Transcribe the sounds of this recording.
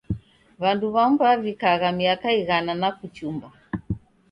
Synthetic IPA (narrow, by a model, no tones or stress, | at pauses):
βanduβambavikaɣamiakaiɣananakut͡ʃumba